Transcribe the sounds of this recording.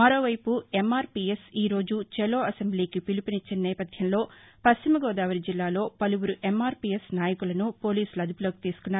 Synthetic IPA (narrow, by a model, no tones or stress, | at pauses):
mɐɾo̞ːʋɐjpue̞maːɾpiesiːɾo̞ːd͡ʒut͡ʃelo̞ːɐsembliːkipilipinit͡ʃːinɐnɛːpɐd̪ʱjɐmlo̞ːpɐst͡ʃimɐɡɔːd̪aːʋɐɾid͡ʒilːaːlo̞ːpɐluwuɾuʔemːaːɾpiːesnaːjɐkulɐnupo̞ːliːsulɐd̪upuloːki̥t̪iːsu̥kunːaːɾ